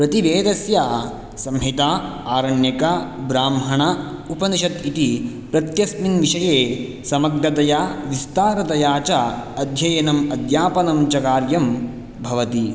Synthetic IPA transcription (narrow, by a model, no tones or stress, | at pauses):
pɾɐt̪iʋeːd̪ɐsjaː | sɐmɦit̪aːaːɾɐɳjɐkabɾaːmɦɐɳɐ | upɐniʃɐt̪it̪i | pɾɐt̪jɐsminʋiʃɐjeː | sɐmɐɡɾɐt̪ɐjaːʋist̪aːɾɐt̪ɐjaːt͡ʃaɐd̪ʱjɐjɐnɐmɐd̪jaːpɐnɐmt͡ʃɐkaːɾjɐm | bʱɐʋɐt̪i